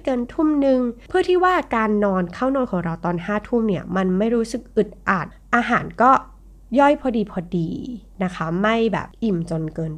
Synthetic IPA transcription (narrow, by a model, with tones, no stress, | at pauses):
kɤː˧nt̪ʰu˥˩mnɯ˧ŋpʰɯ˥˩ət̪ʰiː˥˩waː˥˩kaː˧nːɔː˧nkʰaː˥˩wnɔː˧nkʰɔː˩˦ŋɾa˧wt̪ɔː˧nhaː˥˩t̪ʰu˥˩mni˥˩ɐma˧nma˥˩jɾuː˦˥sɯ˨˩k̚ʔɯ˨˩t̪̚ʔaː˨˩t̪̚ʔaː˧ɦaː˩˦nkɔː˥˩ | jɔ˥˩jpʰɔː˧diː˧pʰɔː˧diː˧na˦˥kʰa˦˥ma˥˩jbɛ̰ː˨˩p̚ʔi˨˩mt͡ɕo˧nkɤː˧n